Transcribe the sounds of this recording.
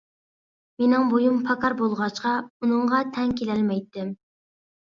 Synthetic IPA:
menɪŋbojumpʰɑkʰɑɾbolˠʁɑt͡ʃqɑunɨɴʁɑt̪ʰɛŋkʲʰelɛlmɛjt̪ːɪm

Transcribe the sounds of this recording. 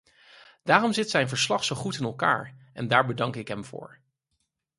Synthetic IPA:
d̥aːrɔmzɪtsɛjnvəɹslɑχsowχutɪnɛlˠka̰ːɹɛndaːɹbədɑŋkɪkɦɛmv̥ʊ̰ːɹ

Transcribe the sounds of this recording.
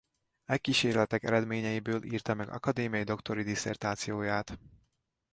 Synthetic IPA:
ɛkːiʃeːrlɛt̪ɛkɛ̰ɾɛd̪meːɲɛjibøːlʔḭːrt̪ɒmɛɡɒ̰kɒd̪eːmijɒjid̪o̞kt̪o̞ɾid̪isɛ̰rt̪aːt̪sijoːjaːt̪

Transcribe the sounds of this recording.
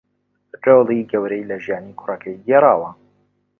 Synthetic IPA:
ʈ͡ʂelˠiɡɐwɾejlɐʒijaːniːkʰʊrɐkʰɐjɡeɾˤɑːwɐ

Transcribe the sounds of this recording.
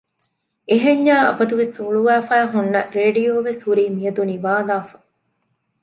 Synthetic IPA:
eɦeɲjaːɐ̰bɐd̪uʋesuɭuʋæːfæːɦunːɐɾeːɖijoːʋeshuɾiːmijɐd̪uniʋaːlaːfɐ̥

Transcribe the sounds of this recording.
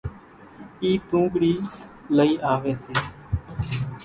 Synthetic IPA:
iːt̪ũːɡɽiːləiːʔaːʋeːseː

